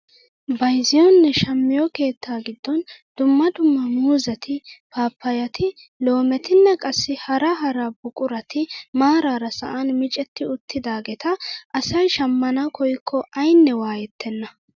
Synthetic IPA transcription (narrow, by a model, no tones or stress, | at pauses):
bɐjzɪjɔnːɛʃɐmːɪjɔke̞ːt̪ʰːaːɡɪd̪ːɔnd̪̥ʊmːɐd̪ʊmːɐmuːzɐt̪ʰɪpaːpːɐjɐt̪ʰɪ | lo̞ːmɛt̪ɪnːɐkʼɐsːɪhɐɾɐɦɐɾabʊkʼʊɾɐt̪ɪmaːɾaːɾɐsɐ̰ʔɐnmɪt͡ʃʼɛt̪ːɪʊt̪ʰːɪd̪aːɡɛt̪ɐʔɐsɐjʃɐmːɐnɐkʰɔjkʰːɔʔɐjnːɛwaːjɛt̪ʰːɛnːɐ